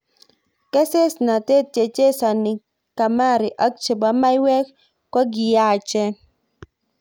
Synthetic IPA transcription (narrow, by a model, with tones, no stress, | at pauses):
ke˦se˦sna˨t̪e˦t̚t͡ʃe˨t͡ʃe˦sa˨ni˨ | ka˨ma˦ɾɪ˨ʔa˦k̚t͡ʃe˨ba˦ma˦jwɛ˦k | kɔ˦ɡɪ˨ja˦˨t͡ʃɛ˦